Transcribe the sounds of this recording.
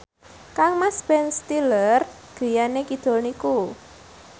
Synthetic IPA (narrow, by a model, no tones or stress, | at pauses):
kaŋmaspɛnst̪ilər | ɡ̥ə̤janekid̪̥o̤lniku